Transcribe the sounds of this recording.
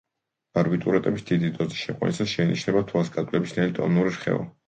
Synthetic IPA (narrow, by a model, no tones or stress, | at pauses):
b̥aɾbit̪ʼuɾɛt̪ʼɛbisd̪id̪id̪ɔziʃɛqʼwɛ̰nisasʃɛinḭt͡ʃʰnɛbat̪ʰuasɡad̪ʼlɛbisnɛlt̪ʼɔ̰nuɾiɾχɛ̰ɔ̰